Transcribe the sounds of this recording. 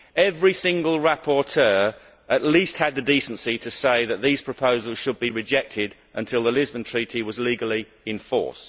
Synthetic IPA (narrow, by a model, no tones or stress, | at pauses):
ɛvɹisɪ̃ŋɡəlˠɹæpʰɔɹtʰɜː | ʔəʔˡliˑst̚həd̪̚ðədiˑsnsitʰəseɪðət̪̚ðiːz̥pʰɹ̥əpʰəʊzəlˠz̥ʃəd̚biɹɪd͡ʒɛk̚tʰɪd | ʔə̃ntʰɪlˠðəlɪzbə̃ntʰɹ̥iˑtiwɒzliːɡəlˠi | ɪ̃ɱfɔ̰ɹs